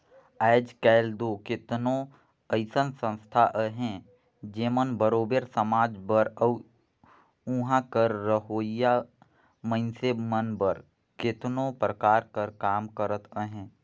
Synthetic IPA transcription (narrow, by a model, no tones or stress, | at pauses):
ɛːd͡ʒkɛːɪld̪oːkɪt̪nõ | əɪsənsə̃nst̪ʰaʔəɦɛ̃ | d͡ʒeːmənbəɾoːbeɾsəmaːd͡ʒbəɾə | ũɦãkəɾːəɦoːja | mə̃ɪnsemənbəɾ | kɪt̪nõpɾəkaːɾkəɾkaːmkəɾət̪ʰəɦɛ̃ː